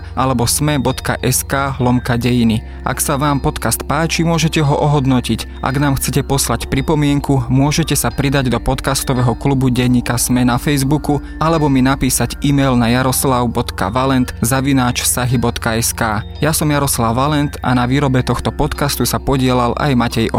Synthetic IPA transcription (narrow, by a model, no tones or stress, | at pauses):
ʔalɛbɔsmɛbɔt̪ka̰ʔɛskaːɦlɔmkaɟɛjini | ʔa̰ksaʋaːmpɔt̪kast̪paːt͡ʃimʊɔʒɛcɛɦɔʔɔɦɔd̪nɔcic | ʔa̰ɡnaːmxt͡sɛcɛpɔslacpɾipɔmɪɛŋkumʊɔʒɛcɛsapɾid̪aɟd̪ɔpɔt̪kast̪ɔʋɛːɦɔklubuɟɛɲːiːkasmɛnafɛjzbuku | alɛbɔminapiːsaɟimɛjlnajaɾɔslaʊbɔt̪ka̰ʋalɛnt̪zaʋinaːt͡ʃfsaɦibɔt̪kaɛskaːjasɔmjaɾɔslawːalɛnt̪a̰naʋiːɾɔbɛt̪ɔxt̪ɔpɔt̪kast̪usapɔɟɪɛlalʔa̰jmacɛjʔɔ̰